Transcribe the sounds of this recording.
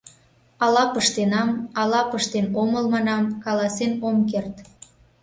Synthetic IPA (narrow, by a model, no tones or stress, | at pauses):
ɑlɑpəʃt̪enɑmɑlɑpəʃt̪enoməlmɑnɑmkɑlɑsenomkert̪